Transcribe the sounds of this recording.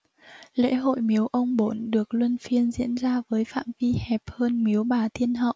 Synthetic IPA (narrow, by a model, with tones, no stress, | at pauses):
lḛ˧˥ɦo̰˧˨jmi˨˦əwʔə˧wŋ͡mɓo˨˦nɗɨ˨˩ək̚lwə˧nfi˧ənzḭ˧˥ənzaː˧vəː˨˦jfa̰ː˧˨mvi˧hɛ˨˩p̚həː˧nmi˨˦əwɓaː˨˩t̪ʰi˧ənɦə̰˧˨wʔ